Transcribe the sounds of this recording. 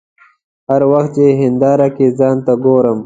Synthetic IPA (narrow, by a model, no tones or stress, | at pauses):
hɐɾwɐxt̪̚t͡ʃeɦɪnd̪aːɾakezɑːnt̪aɡoːɾəm